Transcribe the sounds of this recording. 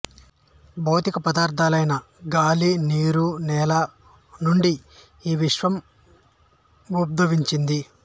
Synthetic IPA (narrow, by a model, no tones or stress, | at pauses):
bɐwt̪ikɐpɐd̪aːɾt̪ʰaːlɐjnɐ | ɡaːliniːɾunɛːlɐ | nuɳɖi | iːʋiʂʋɐm | ɡup̚d̪ɐʋiɲt͡ʃind̪i